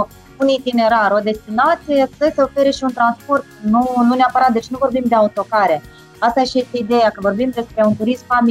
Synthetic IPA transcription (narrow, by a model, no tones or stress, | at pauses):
unit̪ine̞ɾaɾo̞d̪e̞st̪inat̪sʲijesəse̞o̞fe̞ɾəʃiunt̪ɾanspo̞rt̪nununeapəɾat̪̚d̪e̞t͡ʃnuvo̞rbimd̪e̞aut̪o̞kaɾe̞ | ast̪ajeʃijest̪eid̪e̞jakəvo̞rbimd̪e̞spɾe̞unt̪uɾismfami